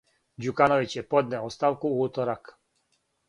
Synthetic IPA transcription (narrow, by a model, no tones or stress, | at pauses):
d͡ʑukanoʋit͡ɕjepod̪nɛost̪aʋkuuːt̪oɾak